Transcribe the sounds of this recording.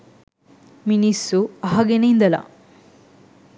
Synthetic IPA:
minisːuɐɦɐɡeneind̪ɐlɐ̰

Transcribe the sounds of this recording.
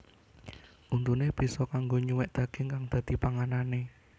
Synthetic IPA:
ʔunt̪uneb̥i̤sɔkaŋɡoɲuwɛʔd̪̥ä̤ɡ̥e̤ŋkaŋd̪̥a̤d̪̥ipaŋanane

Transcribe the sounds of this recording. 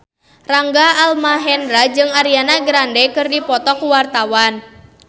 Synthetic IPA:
raŋɡaːlmaɦɛnɾad͡ʒɨŋaɾianaɡɾandɛkɨrdipɔt̪ɔkuwart̪awan

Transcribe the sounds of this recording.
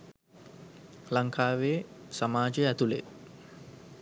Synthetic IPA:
laŋkʰaːʋesamaːd͡ʒəæt̪ulḛ

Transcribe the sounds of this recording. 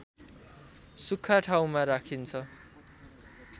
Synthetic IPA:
sukʰːaʈʰaw̃maɾakʰint͡sʰʌ

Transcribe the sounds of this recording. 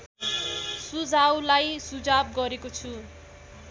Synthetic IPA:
sud͡zawlajsud͡zab̚ɡʌɾekot͡sʰu

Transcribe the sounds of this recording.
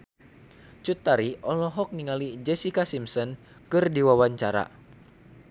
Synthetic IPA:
t͡ʃut̪aɾiɔlɔɦɔk̚niŋalid͡ʒɛsikasimsɔn | kɨrdiwawaɲt͡ʃaɾa̰

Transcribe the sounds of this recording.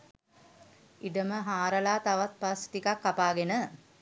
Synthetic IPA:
iɖəməɦaːɾəlaːt̪aʋat̪̚past̪ikakːapaːɡenə

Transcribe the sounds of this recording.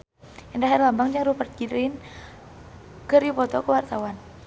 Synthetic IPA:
indaɦɛrlambaŋd͡ʒaŋɾupərt̪̚kiɾin | kəripɔt̪ɔkəwart̪awan

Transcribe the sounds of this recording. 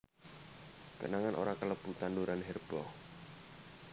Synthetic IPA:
pə̰naŋanʔo̰ɾakələb̥ut̪anduɾanɦɛrb̥ɔ

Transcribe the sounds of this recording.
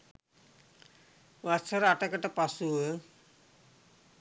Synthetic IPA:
wasʰaɾaʈakaʈapasuə

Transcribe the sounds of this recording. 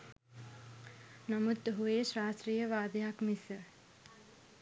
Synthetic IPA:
namut̪ɦueʃɾaːstriːjəʋaːd̪eɦakmisə

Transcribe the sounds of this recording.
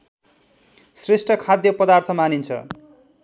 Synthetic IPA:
sresʈʌkʰad̪jʌpʌd̪art̪ʰʌmanint͡sʰʌ̰

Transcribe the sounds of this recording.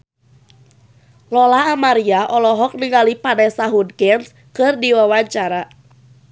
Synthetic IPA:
lɔlaɦamaɾiaʔɔlɔɦɔk̚niŋalipanɛsaɦudkɛns | kɨrdiwawaɲt͡ʃaɾa

